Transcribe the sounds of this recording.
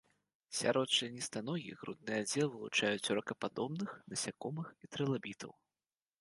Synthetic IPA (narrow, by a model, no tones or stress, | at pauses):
sʲa̰ɾɔt̪t͡ʂɨnʲist̪anɔjʲḭɣɾṵd̪̚nɨjɐd͡zʲɛlˠvɨlˠut͡ʂajut͡sʲrɐkɐpad̪ɔbnɨxnɐsʲakɔmɨxit̪ɾɛlˠabʲit̪ʰɐ̰w